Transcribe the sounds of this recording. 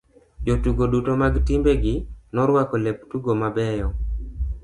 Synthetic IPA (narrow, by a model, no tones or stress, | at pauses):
d͡ʒotuɡodutomaɡtimbeɡɪnɔɾwakɔleptuɡomabɛjɔ